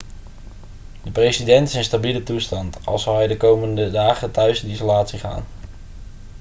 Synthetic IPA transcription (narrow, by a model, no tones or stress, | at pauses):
dəprejsidɛntɪ̥sənstabilətustɑntɑ̰lˠsɑwɦɛjdəkowməndədaːχəntœɥsɪndisolaːtsiχa̰ːn